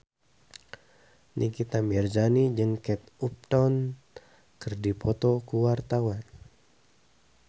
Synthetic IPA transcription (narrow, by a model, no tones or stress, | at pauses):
nʔikit̪amɛrd͡ʒanid͡ʒɨŋkɛt̪up̚t̪ɔn | kɨrdipʰɔt̪ɔkuwart̪awan